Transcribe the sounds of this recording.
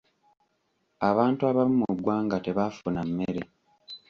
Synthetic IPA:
aβaːntuaβamumuɡwaːŋɡate̞βafunamːeɾe̞

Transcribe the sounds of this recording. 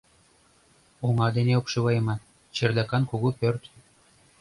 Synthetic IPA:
oŋɑd̪eneopʃɤβɑjɤmɑ | t͡ɕĕrd̪ɑkɑnkoɣupørt̪

